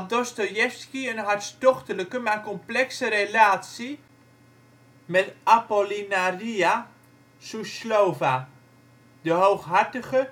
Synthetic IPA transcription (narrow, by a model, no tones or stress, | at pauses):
adɔstojɛfskiənɦaɹtstɔχtələkəmakɔmplɛksəɾelaːtsi | mɛtapolinaria | suslowva | dəɦowχɦaɹtəχə